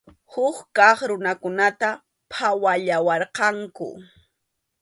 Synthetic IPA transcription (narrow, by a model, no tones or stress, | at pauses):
hʊkkɑχɾʊnakʊnat̪a | pʰawaʎawɑɾqɑŋkʊ̰